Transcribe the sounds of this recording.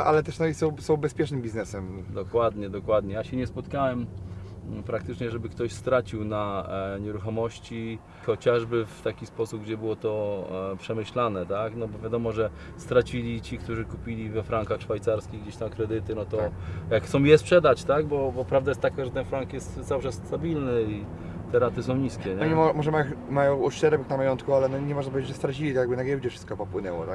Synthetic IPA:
ʔa̰lɛt̪ɛʂnɔisɔ̃wsɔ̃w̃bɛspʲjɛt͡ʂnɘmbʲiznɛsɛmd̪ɔkwad̪ɲɛd̪ɔkwad̪ɲɛjaɕɛɲɛspɔt̪kawɛm | pɾakt̪ɘt͡ʂɲɛʐɛbɘkt̪ɔɕst̪ɾat͡ɕiwnaɲɛɾuxɔmɔɕt͡ɕi | xɔt͡ɕaʐbɘft̪akʲispɔsup̚ɡd͡ʑɛbɘwɔt̪ɔpʂɛmɘɕlanɛt̪aknɔbɔvʲjad̪ɔmɔʐɛ | st̪ɾat͡ɕilʲit͡ɕikt̪uʐɘkupʲilʲivɛfɾaŋkaxʂfajt̪saɾskʲiɣɡd͡ʑeɕt̪amkɾɛd̪ɘt̪ɘnɔt̪ɔjaksɔ̃w̃jɛspʂɛd̪at͡ɕt̪aɡbɔbɔpɾavd̪ajɛst̪ːakaʐɛt̪ɛnfɾaŋkjɛst̪zawʂɛst̪abʲilnɘi | t̪ɛɾat̪ɘsɔ̃w̃ɲiskʲɛɲɛɲmɔmɔʐɛmajɔmajɔ̃wɔʂt͡ɕɛɾɛpɛknamajɔnt̪kualɛnɔɲɛmɔʐnapɔvʲed͡ʑeʐəst̪ɾat͡ɕilʲit̪jaɡ̚bɘnaɡjɛwd͡ʑɛfʂɘ̥st̪̚kɔpɔpwɘnɛwɔ̰t̪ak

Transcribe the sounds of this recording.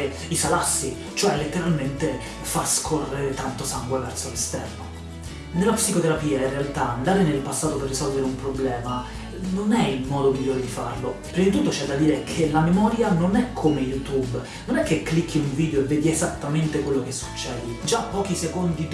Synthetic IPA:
isalasːi | t͡ʃoɛlet̪ːeɾalment̪e | faskʰorːeɾet̪ant̪osaŋɡwevɛrt̪solest̪ɛrno | nelːapsikot̪eɾapiːainrːealt̪aand̪aːɾenelpasːaːt̪operːisɔlveɾeumpɾoblɛːma | nonɛilmɔːd̪omiʎːoːɾed̪ifa̰rlopɾid̪t̪ut̪ːot͡ʃɛd̪ːad̪iːɾekʰelamemɔːɾjanonɛkʰːomejut̪ub | nonɛkːekːlikʰːiuɱviːd̪eoevːɛːd̪iezat̪ːament̪ekwelːok̟esːu̥t͡ʃːɛːd̪id͡ʒapːɔːkisekond̪i

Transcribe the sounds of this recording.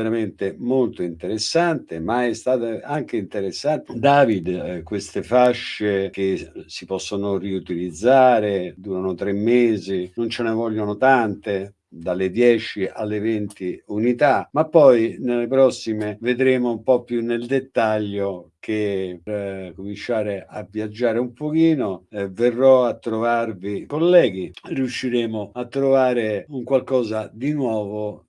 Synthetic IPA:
veɾament̪emolt̪oint̪eɾesːant̪emaɛst̪aːt̪aaŋk̟eint̪eɾesːant̪d̪aːvid̪kwest̪efaʃːek̟esipɔsːonoriut̪ilid̪zːaːɾed̪uːɾanot̪ɾemːeːzinont͡ʃenevɔʎːonot̪ant̪e | d̪alːed̪jɛːt͡ʃiʔalːevɛnt̪iunit̪amapːɔjnelːepɾɔsːimeved̪ɾeːmoumpɔpːjunːeld̪et̪ːaʎːoke | komint͡ʃːaːɾeʔavːjad͡ʒːaːɾeumpok̟iːnoɛverːɔat̪ːɾovarvikolːɛːɡiriuʃːiɾeːmoat̪ːɾovaːɾɪuŋkwalkɔːzad̪inwɔːvo

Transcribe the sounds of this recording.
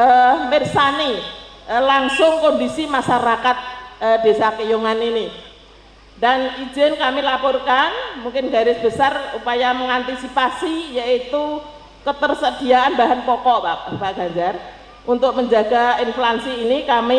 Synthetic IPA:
ʔəmɪrsaniʔəlaŋsʊŋkɔndisimaʃaɾakat̪̚əb̥esakəjuŋanini | danid͡ʒɛnkamilapɔrkanmuŋkɪnɡaɾɪsb̥əsarupajaməŋant̪isipasijait̪u | kət̪ərsəd̥iaanbaɦanpɔkɔʔpaʔpaʔɡ̥aɲd͡ʒar | ʔunt̪ʊk̚məɲd͡ʒaɡaɪnflansiːnikami

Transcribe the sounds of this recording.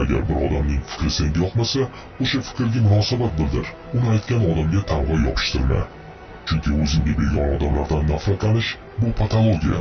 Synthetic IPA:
aɡʲa̰ɾbɪɾɒd̪amnɪŋfɪ̥kʲɾɪseŋɡʲɪjɒqmasa | oʃafɪ̥kʲɾɡʲamʊnɒsabat̪̚bɪld̪ɪɾ | ʊnɪajt̪̚kʲʰanɒd̪amɡʲat̪ʰamʁɑjɒ̰pʰɪ̥ʃt̪ʰɪɾma̰ | t͡ʃʰʊŋkʲʰɪɵzɪnbeɾbeɾɡʲanɒd̪amlaɾd̪anːafɾat̪lanɪʃ | bʊpʰat̪ʰalˠoɡʲija̰

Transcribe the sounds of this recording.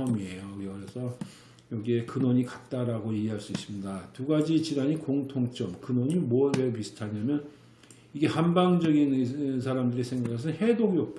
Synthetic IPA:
ʌmie̞jokʌɾesʰʌ | jʌɡie̞kɯnʌɲikat̚t͈aɾaɡojeɡiɦaɭs͈uis͈ɯmɲidatuɡad͡ʑit͡ɕiɾaɲikoŋtʰoŋt͡ɕ͈ʌmkɯnʌɲimoʌwepisʰɯ̥tʰaɲamjʌn | iɡe̞hambaŋd͡ʑʌɡins̬ʰaɾamdɯɾisʰe̞ŋɡakʰes̬ʰʌnhe̞doɡiʌp̚t͈

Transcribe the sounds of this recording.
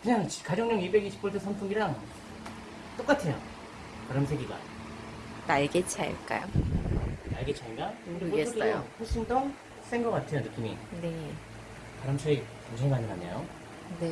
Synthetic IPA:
kɯɲaŋt͡ɕkad͡ʑʌŋɲʌŋibe̞ɡiɕʰi̥p͈ʰoɭtʰɯsʰʌmpʰuŋiɾaŋ | t͈ok͈atʰe̞jo̰ | taɾɯmsʰeɡiɡa̰ | naɭɡet͡ɕʰa̰ɭk͈a̰jo | naɭɡet͡ɕʰiaɲiɡaɡɯɡesɡ͈ʌjoɸoɭɕ͈ʰindʌŋ | s͈eŋɡʌkatʰejonɯk͈imine̞ | taɾɯmsʰeikʌnt͡ɕʰoŋmanɯmaɲːa̰jo | ne

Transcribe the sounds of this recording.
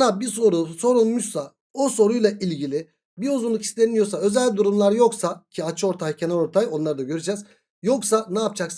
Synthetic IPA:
nabisoɾuso̞ɾunmuʃsa | oso̞ɾujlˠailʲɟilʲi | biuzunlˠukʰi̥st̪ʰemijo̞saø̞zælʲd̪uɾumlˠaɾjo̞ksacʰiat͡ʃʰɯo̞ɾt̪ʰajcʰe̞nalʲo̞ɾt̪ʰajo̞nlˠaɾɯd̪aɟø̞ɾyd͡ʒɛːz | jo̞ksanaap̚t͡ʃʰaks

